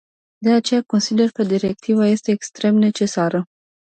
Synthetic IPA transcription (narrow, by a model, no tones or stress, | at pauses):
d̪e̞at͡ʃe̞jako̞nsid̪e̞rkəd̪iɾe̞k̚t̪ivaje̞st̪e̞ːkst̪ɾe̞mne̞t͡ʃe̞saɾə